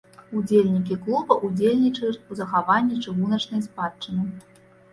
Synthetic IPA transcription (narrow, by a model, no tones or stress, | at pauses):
ud͡zʲelʲnʲik̬ʲiklˠubɐʔud͡zʲelʲnʲit͡ʂɐjʲuuzɐxavanʲːɛt͡ʂɨɣunɐt͡ʂnɐjspat͡ʂɨnɨ